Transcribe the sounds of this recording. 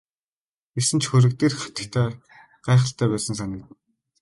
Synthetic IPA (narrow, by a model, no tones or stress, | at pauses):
esɘ̆nt͡ɕʰxɵɾɘ̆kt̪eːrχḁt̪ə̆kt̪ʰæː | ɢæːχə̆ɬt̪æːpæːsə̆ŋs̬anʲə̆kt̪ɘ̆n